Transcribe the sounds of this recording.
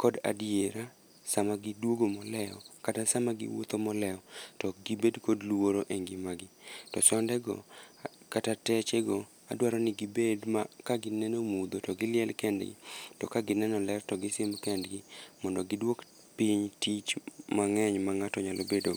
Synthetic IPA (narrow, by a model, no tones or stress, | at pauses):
kɔda̰djeɾa | samaɡɪdwoɡomɔlɛɔkatasamaɡɪ̰wo̰t̪omɔlɛɔtɔɡibedkodlwoɾoʔeŋɡɪmaɡɪtɔsɔndɛɡɔ̰katatɛt͡ʃeɡo | a̰dwaɾɔnɪɡɪbedmakaɡɪnɛnomud̪otɔɡɪlɪjɛlkɛndɡɪ̰tɔkaɡɪnɛnɔlɛrtɔɡɪsɪmbkɛndɡɪmɔndɔɡɪdwok | piɲtit͡ʃmaŋɛɲmaŋatɔɲalobedo